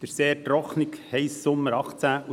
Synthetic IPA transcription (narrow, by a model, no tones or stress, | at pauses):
d̪̥əɾseːtrɔχnikhɛjssʊmːəɾɑχt͡sæu